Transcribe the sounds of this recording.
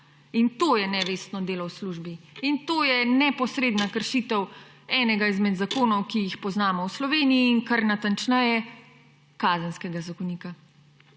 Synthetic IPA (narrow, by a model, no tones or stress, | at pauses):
int̪oːjɛnɛʋeːst̪nɔd̪eːlɔwsluʒbiint̪oːjɛnɛpɔsɾeːd̪nakəɾʃiːt̪ɛw | ɛːnɛɡaizmɛd̪zakoːnɔwkijixpɔznaːmɔwslɔʋeːniiːŋkaɾnat̪ant͡ʃnajɛ | kaːzənskɛɡazakɔniːka